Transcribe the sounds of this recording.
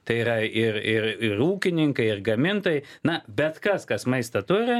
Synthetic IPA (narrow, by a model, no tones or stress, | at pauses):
t̪ɐɪiɾɐɪrɪrɪruːkʲɪnʲɪŋkɐɪɪrɡɐmʲɪnt̪oːjɪnɐbʲɛt̪kɐskɐsmɐɪst̪ɐt̪ʊɾʲɪ